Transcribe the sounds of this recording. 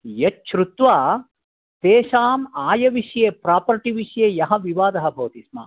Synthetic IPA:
jɐt͡ʃʃɾut̪ʋaː | t̪eːʃaːmaːjɐʋiʂjeːpɾaːpɐɾʈiʋiʂjeːjɐɦɐ̆ʋiʋaːd̪ɐɦɐbʱɐʋɐt̪isma̰ː

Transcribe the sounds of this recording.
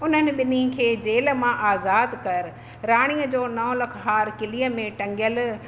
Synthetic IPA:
ʊn̤ənɪ̆ɓɪnikʰeːd͡ʑeːl̆mãʔaːzaːd̪kɐɾ | ɾaːɽ̃iːəd͡ʑoːnɐɦlɐkʰɦaːɾkɪliːəmẽʈɐ̃ŋɡjəl

